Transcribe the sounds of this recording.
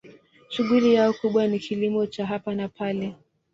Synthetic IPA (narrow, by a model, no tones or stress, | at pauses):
ʃuɠulijaɔkuɓwanikʰilimɔt͡ʃaɦapanapʰalɛ